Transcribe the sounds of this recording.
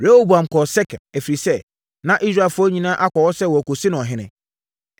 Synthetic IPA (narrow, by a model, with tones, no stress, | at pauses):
ɾe˦ho˦bu˨ã˨m˨kʰɔ˨sɛ˦kʰã˨næ˨fi˨ɾi˨sɛ˦˨ | nã˦ʔi˦sɾa˦˨fʊ˦ɔ˦ɲĩ˨nãː˦ʔa˦kɔ˨wɔ˦sɛ˦˨wɔ˨æ˨ko˨sɪ˦nʊ̃˨ɔ˨ɦɪ̃˨nɪ̃˨